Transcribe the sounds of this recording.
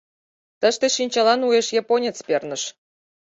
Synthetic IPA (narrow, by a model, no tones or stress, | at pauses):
t̪ə̆ʃt̪eʃinʲt͡ɕɑlɑnujeʃjɑponʲet͡spernə̆ʃ